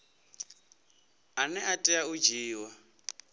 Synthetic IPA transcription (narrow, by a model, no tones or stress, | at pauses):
anɛʔatʼiaud͡ʒiːwa